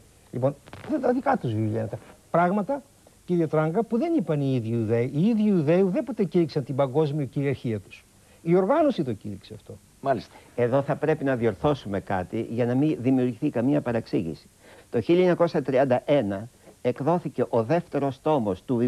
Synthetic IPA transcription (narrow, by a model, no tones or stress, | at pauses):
lipo̞nðet̪ɐðikɐt̪uzvivjenɐt̪epɾɐɣmɐt̪ɐ | ciɾiot̪ɾɐŋɡɐpuðe̞nipɐniiðʝiuðeiiðʝiuðeuðe̞po̞t̪eciɾiksɐnt̪ibɐŋɡo̞zmiuciɾiɐɾçiɐt̪u̥s | io̞ɾɣɐno̞sit̪o̞ciɾikseɐft̪o̞ | mɐlist̪e̞ðo̞θɐpɾe̞pinɐðio̞ɾθo̞sume̞kɐt̪iʝɐnɐmiðimiuɾɣiθikɐmiɐpɐɾeksiʝḭsi̥ | t̪o̞çilieɲɐko̞sɐt̪ɾiɐnd̪ɐʔenɐekðo̞θice̞ʔo̞ðe̞ft̪e̞ɾo̞st̪o̞most̪ui